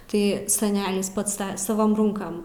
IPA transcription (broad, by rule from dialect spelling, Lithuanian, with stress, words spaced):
ˈtɐɪ sɐˈnʲæːlʲɪs ˈpɐts sɐˈʋoːm ˈruːŋkɐm